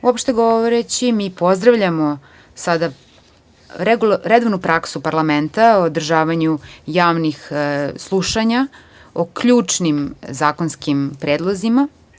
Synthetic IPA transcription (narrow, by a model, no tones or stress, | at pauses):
uopʃt̪eɡo̞ʋoɾet͡ɕimiːpo̞zd̪ɾaʋʎamo | sad̪a | ɾeɡulɾed̪oʋnupɾaksupaɾlˠament̪aood̪r̩ʒaːʋaɲujaːʋnixslˠuʃaɲa | okʎuːt͡ʂnimzaːkonskimpɾeːd̪lˠo̞zima